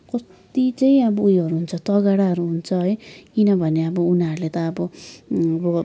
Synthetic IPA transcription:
kʌstt̪it͡sʌĩʌbʌujʌɾuɦunt͡sʰʌt̪ʌɡaɽaɦʌɾuɦunt͡sʰʌɦʌjkinʌbʱʌneʌbʌunaʌɾulet̪ʌːbʌʌbʌ

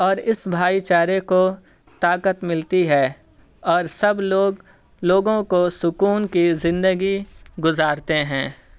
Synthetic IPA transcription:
ɔːɾɪsbʱaːit͡ʃaːɾeko | t̪aːkət̪mɪlt̪iɦɛː | ɔːɾsɐbloːɡ | loːɡõkosʊkuːnkizɪ̃nd̪əɡiɡʊzaːɾt̪eɦɛ̃ː

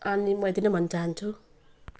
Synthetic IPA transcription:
ʌnimʌet̪inʌbʱʌnːʌt͡saɦant͡sʰu

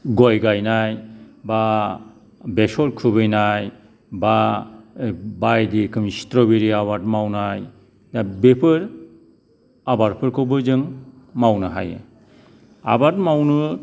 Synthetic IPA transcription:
ɡɔjɡajnajba | besɔlkʰɯbɯjnaj | ba | bajdikʰɯmistɾɔbeɾiaβat̚mawnaj | dabepʰɯɾ | abaɾpʰɯɾkʰɯbɯzɯŋ | mawnɯɦa̰jḛ | a̰bat̚mawnɯ

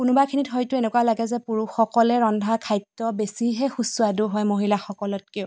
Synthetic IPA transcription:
kʊnʊbakʰinitɦɔjtʊenɛkwalaɡɛzɛpuɹuxɔkɔlɛɹɔndʱakʰajtːɔbesiɦɛxusuadʊɦɔjmoɦilaxɔkɔlɔt̚kɛʊ

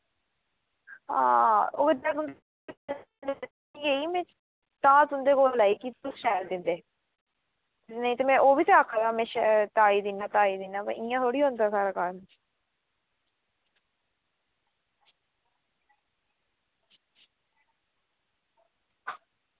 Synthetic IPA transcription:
ã̰ːoːɡədãːt̪ʊnd̪ | ieːiːmɛ̃ː | t̪ãːt̪ʊnd̪eːkoːllaːiːkiʊsʃɛːld̪ɪnd̪eː | nəĩt̪eːmɛ̃ːʔoːbiːt̪eakʰːaɡaːmẽːʃt̪aːiːd̪ɪnːãːt̪aːiːd̪ɪnãːpəɪjãːt̪ʰoːɽiːɦõːnd̪aːsaːɾaːkaːɾm̃

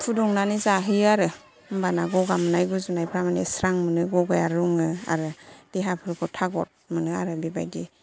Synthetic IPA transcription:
pʰudɔŋnanizaɦɯjaɾɯ | mbanaɡɔɡamɯnajɡuzunajpʰɾamanesɾaŋmɯnɯɡɔɡajaɾuŋɯa̰ɾɯd̥eɦapʰɯɾɯkʰɔtʰaɡɔt̚mɯnɯa̰ɾɯbiba̰jdi

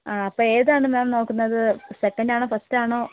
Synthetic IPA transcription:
aːɐpːoːe̞ːðaːɳɨmaːmno̞ːkːunːɐðɨsekːɐndaːɳoːfɐstaːɳo̞ː

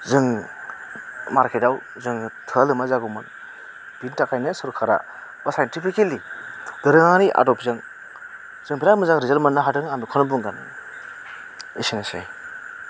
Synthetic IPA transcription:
zɯŋ | maɾkʰetaw | zɯŋtʰɯlɯmazaɡumɯn | d̥intakʰajnɯsɯɾkʰaɾa̰ | wasajntipʰikelidɯɾɯŋaɾiʔa̰dɔpzɯŋ | z̥ɯŋpʰiɾamɯzaŋɾizelmanːaɦatɯŋamikʰɔnɔbuŋɡanɯ | esinasḛj

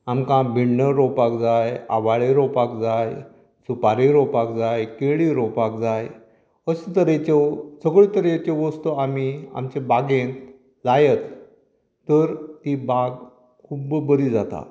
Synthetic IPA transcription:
amkãbʱiɳːəɾɔpakd͡zaja̰ʋaɭeɾɔpakd͡zaj | supaɾeɾɔpakd͡zajkeɭiɾɔpakd͡zaj | əsət̪əɾet͡ɕɔsəɡɭit̪əɾet͡ɕɔʋəst̪oamia̰mt͡ɕebaɡẽn | lajət̪ | t̪ːəɾt̪ibaɡ | kʰubbəɾiːd͡zat̪a̰

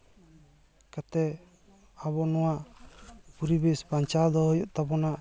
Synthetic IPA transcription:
kat̪ɛ | abɔnɔwaʔ | puɾibɛspaɲt͡ʃad̪ɔɦɔjɔʔt̪abɔna

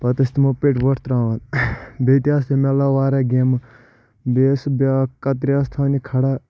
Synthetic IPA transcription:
pɐt̪ɐst̪imopeʈʋɐʈt̪ɾãːʋɐnbet̪iaːst̪emelaʋaːɾaɡʲem | beːsbakɐt̪̬ɾiast̪ʰanikʰɐɽa

